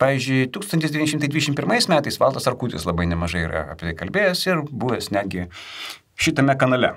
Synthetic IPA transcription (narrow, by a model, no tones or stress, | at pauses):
pɑːʋʲiːzʲd͡ʒʲʊɪt̪uːkst̪ɐnt̪ʲɪsd̪ʲʋʲinʲɛʃʲɪmt̪ɐɪd̪ʲʋʲid̪ʲɛʃʲɪmpʲɪɾmɐɪsmʲæːt̪ɐɪsʋɑlˠt̪ɐsɐrkuːt̪ʲɪ̰slˠɐbɐɪnʲɛmɐʒɐɪiɾɐ̰ɐ̰pʲɛt̪ɐɪkɐlʲbʲeːjɛsɪrbuːʋʲɛsnʲæːd̪ʲɡʲɪ | ʃʲɪt̪ɐmʲɛkɐnɐlʲɛ